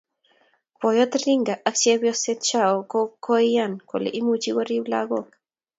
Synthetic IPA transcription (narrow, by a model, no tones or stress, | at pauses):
pojot̪ɾiŋɡaʔakt͡ʃeβjoset̪̚t͡ʃaokokʰːoijankʷo̰lḛʔimut͡ʃiɣoɾibla̰ɣok